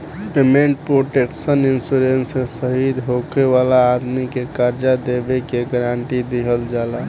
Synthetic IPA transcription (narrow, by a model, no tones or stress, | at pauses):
pemeɳʈ̚pɾoʈeksəninsuɾensesəɦid̪ɦokeʋalaːd̪mikekəɾd͡ʒad̪ebekeɡəɾaɳʈid̪iɦəld͡ʒala